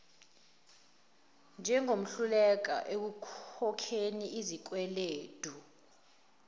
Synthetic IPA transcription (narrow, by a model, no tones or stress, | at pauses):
nd͡ʒʱɛŋom̩ɬulɛk̬a̰ʔek̬ukʰɔkʰeniizik̬wɛleːd̥ʱu